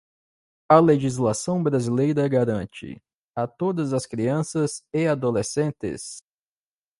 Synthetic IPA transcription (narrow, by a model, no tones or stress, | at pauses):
ɐleʒizlasɐ̃w̃bɾazilejɾɐɡaɾɐ̃t͡ʃɪ̰ | ɐt̪od̪ɐzɐskɾiɐ̃sɐzɪad̪olesẽnt̪ɪ̰s